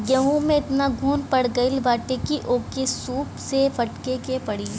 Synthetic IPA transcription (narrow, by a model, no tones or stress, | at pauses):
jɐɦũmẽɪt̪naɡʱuːnpɐɽɡɐɪlbaːʈekiʔoːkesuːpsefɐʈkekepɐɽiː